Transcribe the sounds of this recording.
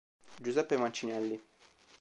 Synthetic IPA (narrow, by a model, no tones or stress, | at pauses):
d͡ʒuzɛpːemant͡ʃinɛlːi